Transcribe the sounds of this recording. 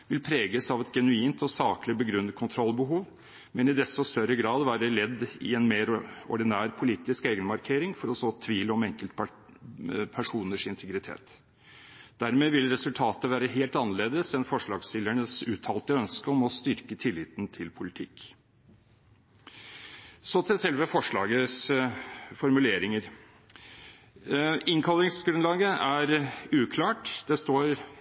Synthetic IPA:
ʋɪlpʰɾeːɡəsɑʋɛt̪ɡɛnʉiːnt̪ɔsɑːklɪbəɡɾʉnːət̪̚kʰʊnt̪ʰɾɔlːbəɦuːʋ | mɛnɪd̪ɛst̪ɔst̪œɾəɡɾɑːd̪ʋæːɾəlɛd̪ːɪ̰ɛnmeːɾɔ̰ɖɪnæːɾpʰʊliːt̪ɪskeːɡənmɑɾkʰeːɾɪŋfɔɾɔsɔt̪ʰʋiːləɔmɛŋkəlt̪ | pʰæʂuːnəʂɪnt̪ʰəɡɾɪt̪ʰḛːt̪ | d̪̥æɾmeːʋɪlɾɛsʉlt̪ʰɑːt̪əʋæːɾəɦeːlt̪ɑnːəɭeːd̪əsɛnfɔʂɭɑːɡsɪlæɳəsʉːt̪ʰɑːlt̪əœnskəɔmɔst̪ʏɾkət̪ʰɪlːɪːt̪nt̪ʰɪlpʰʊlɪt̪ʰɪkː | sɔt̪ʰɪsɛlʋəfɔʂɭɑ̰ːɡəs | fɔɾmʉleːɾɪŋəɾ | ɪŋkʰɑlɾɪŋsɡɾʉnlɑːɡəʔæɾʉːkʰlɑːʈd̪̥ɛst̪oːɾ

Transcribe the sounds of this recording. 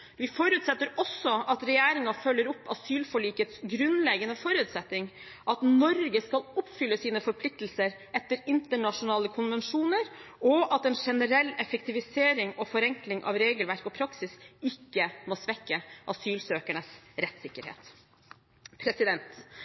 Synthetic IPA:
ʋɪfɔɾʉːt̪sɛt̪ːəɾɔsːɔɑt̪ɾɛjæːɾɪŋɑfœlːəɾʊpːɑ̰syːlfɔɭiːkət̪sɡɾʉnlɛɡənəfɔɾʉːt̪sɛt̪ːɪŋ | ʔɑt̪nɔɾɡəskɑlʊpːfʏlːəsiːnəfɔɾpʰlɪk̚t̪əl̩səɾ | ɛt̪ːəɾɪnt̪əɳɑʂʊnɑːləkʰʊnʋɛnʂuːnəɾɔʔɑt̪ɛːnʂɛnəɾɛlːɛfək̚t̪ɪʋɪseːɾɪŋɔfɔɾɛŋklɪŋʔɑ̰ʋɾeːɡəlʋæɾkɔpʰɾɑksɪsɪkːəmoːsʋɛkːəʔɑsyːlsøːkæɳəsɾɛt̪sɪkːəɾhḛːt̪ | pʰɾɛsɪd̪ɛnt̪

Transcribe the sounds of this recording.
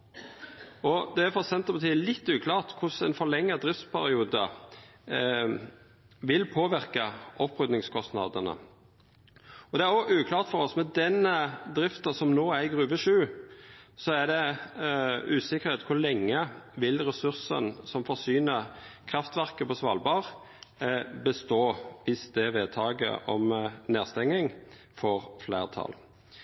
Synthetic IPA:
ɔd̪ɛæɾfɔsɛnt̪əpɑt̪ʰiːəlɪt̪ːʉːkʰlɑːʁt̪kʰʊsɛnfɔɭɛŋːəd̪ɾɪft̪spʰæɾɪuːd̪ə | ʋɪlpʰoːʋɪɾkɑʔɔpːʁʉd̪nɪŋskʰɔst̪nɑ̰d̪ənə̰ | ɔd̪ɛæɾɔʔʉːkʰlɑːʁt̪fɔɾɔsmɛd̪ɛnəd̪ɾɪft̪ɑsɔmnoːæɡʁʉːʋəʃʉː | sɔæd̪ɛ | ʉːsɪkːəʁheːt̪kʰʊlɛŋːəʋɪlɾɛsʉʁsə̰nsɔmfɔʁsyːnəkʰɾɑft̪ʋæʁkəpɔsʋɑ̰lbɑːʁ | bəst̪oːʋɪsd̪ɛʋeːt̪ʰɑːɡə̰ʔɔmneːʁst̪ɛŋːɪŋ | fɔʁflḛːʁt̪ʰɑ̰l

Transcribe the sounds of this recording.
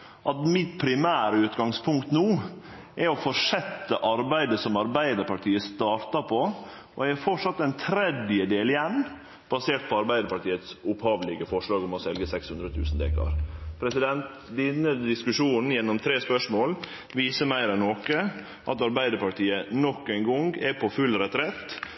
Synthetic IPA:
ʔɑt̪mɪt̪pʰɾɪmæːɾəʉːt̪ɡɑŋspʰʊŋkt̪nuː | ʔɛɔfɔʂɛt̪ːəʔɑɾbæɪd̪əsɔmɑɾbæɪd̪əɾpɑʈʰiːəst̪ɑːɾt̪ɑpʰɔ | ɔæɡæɾfɔʈʂɑt̪ːɛnt̪ʰɾɛd̪jəd̪eːlɪjɛnː | b̥ɑseːʈ̚pʰɔɑɾbæɪd̪əɾpɑʈiːət̪sʊphɑːʋlɪɡəfɔʂɭɑːɡɔmɔsɛlɡəsɛkshʉnd̪ɾət̪ʰʉ̰ːsn̩d̪ḛːkɑ̰ɾpʰɾɛsɪd̪ɛnt̪ | d̪ɪnːəd̪ɪskʉʂuːnn̩jɛnːɔmt̪ʰɾeːspœʂmoːl | ʋiːsəmæɪɾɛnːoːkə | ʔɑt̪ɑɾbæɪd̪əɾpɑʈʰiːənɔkːæɪŋɡɔŋɡɛpʰɔfʉlɾɛt̪ɾɛt̪ː

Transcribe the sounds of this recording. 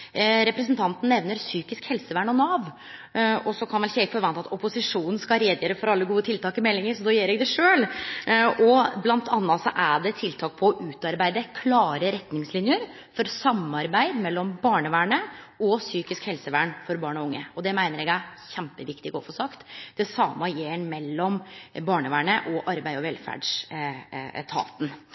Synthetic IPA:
ɾɛpɾɛsn̩t̪ʰɑnt̪n̩nːɛʋnəɾsyːkɪskhɛlsəʋæːɳɔnɑːʋ | ɔsɔkʰɑnʋɛlçɛɪfɔɾʋɑnt̪ɑt̪ʰɔpʊsɪʂuːnn̩skɑɾeːd̪jøːɾəfɔɾɑlːəɡuːət̪ʰɪlt̪ʰɑːkɪmɛlːɪŋəɾsɔd̪oːjeːɾɛɡd̪ɛʂøːl | ɔblɑnt̪ʰɑnːɑsɔʔæɖɛt̪ʰɪlt̪ʰɑːk̚pʰɔʔʉːt̪ɑɾbæɪd̪əkʰlɑːɾəɾɛt̪nɪŋslɪnjəɾ | fɔɾsɑmɑɾbæɪd̪mɛlːɔmbɑːɳəʋæːɳə | ɔsyːkɪskhɛlsəʋæːɳfɔɾbɑːɳɔʊŋːəɔd̪ɛmæɪnəɾɛɡæçɛmpəʋɪkt̪ɪɡo̰ːfɔsɑkt̪d̪̥ɛsɑːmɑjeːɳmɛlːɔmbɑːɳəʋæːɳəʔɔʔɑɾbæɪɔʋɛlfæ̰ɖʂ | t̪ʰɑ̰ːt̪n̩

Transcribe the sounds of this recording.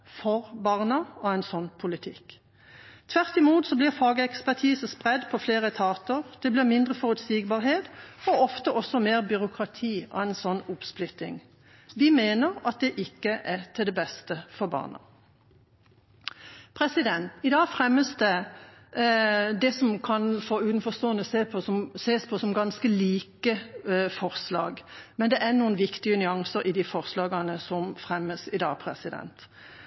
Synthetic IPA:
fɔʁbɑʁnɑɔɛɪnsɔnːpʰʊlɪt̪ʰɪk | t̪ʰʋæʁt̪ɪmuːt̪sɔblɪʁfɑːɡəɛkspæʁʈ̪ʰiːsəspʁɛd̪pʰɔfleːʁət̪ʰɑːt̪əʁd̪̥ɛblɪʁmɪnd̪ʁəfɔʁʉt̪siːɡbɑːʁɦeːt̪ɔɔft̪əʔɔsɔmeːʁbʏʁʊkʰʁɑt̪ʰiːɔ̰æɛɪnsɔnːʊpsplʏt̪ɪ̰ŋ | ʋɪmeːnəʁɑt̪̚d̪ɛʔɪkːəʔɛt̪ʰɪld̪ɛbɛst̪əfɔʁbɑ̰ːʁnɑ̰ | pʰɾɛsɪd̪ɛnt̪ɪd̪ɑːɡfɾɛmːəsd̪ɛ | d̪ɛsɔmkʰɑnfɔʉːt̪n̩fɔst̪oːənəseːpʰɔsɔmseːspʰɔsɔmɡɑnskəliːkəfɔʁslɑ̰ːɡmɛnd̪ɛʔænuːənʋɪkt̪ɪənʏɑŋsəɾʔɪd̪ɪfɔʁslɑːɡɑnəsɔmfʁɛmːəsɪd̪ɑ̰ːɡpʰʁɛ̰sɪd̪ɛ̰nt̪

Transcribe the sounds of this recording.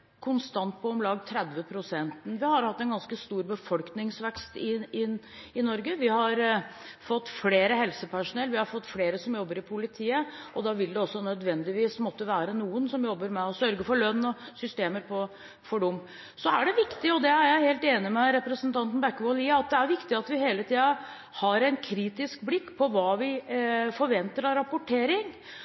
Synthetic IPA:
kʰʊnst̪ɑnt̪̚pʰɔɔmlɑːɡt̪ʰɾɛd̪ʋəpʰɾʊsɛnt̪nʋɪhɑɾhɑt̪ːɛnɡɑnskəst̪uːɾbəfɔlknɪŋsʋɛkst̪ɪɪɪnɔɾɡəʋɪhɑɾfɔt̪ːfleːɾəhɛlsəpʰæʂʊnɛlːʋɪhɑɾfɔt̪ːfleːɾəsɔmjɔbːəɾɪpʰʊlɪt̪ʰiːəʔɔd̪ɑʋɪld̪ɛɔsːɔnœd̪ʋɛnd̪ɪʋiːsmɔt̪ːəʋæːɾənuːənsɔmjɔbːəɾmɛɔsœɾɡəfɔɭœnːɔsʏst̪eːməɾpʰɔ | fɔɖʊmː | sɔæɖɛʋɪkt̪ɪɔd̪ɛæɾjæɪheːlt̪eːnɪmɛɾɛpɾəsənt̪ɑnt̪n̩bɛkːʋoliːɑt̪̚d̪ɛæɾʋɪkt̪ɪɑt̪ʋɪheːlət̪ʰiːɑ | hɑɾæɪnkʰɾiːt̪ɪskblɪkːpʰɔʋɑːʋɪfɔɾʋɛnt̪əɾɑɾɑpʊʈʰeːɾɪŋ

